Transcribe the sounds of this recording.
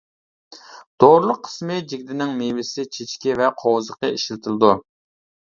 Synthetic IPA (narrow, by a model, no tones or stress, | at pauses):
d̪̥oɾlˠʊqʰːə̥smɨd͡ʒiɡʲd̪ɪnɪŋmevɪsɪt͡ʃʰet͡ʃkʲivɛqʰowzəqəiʃlt̪ʰɨlˠɨd̪u